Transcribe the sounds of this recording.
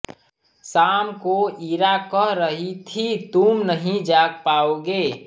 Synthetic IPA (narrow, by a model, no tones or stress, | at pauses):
saːmkoiɾakəɦɾəɦit̪ʰit̪umnəɦĩd͡ʒaɡpaːoɡe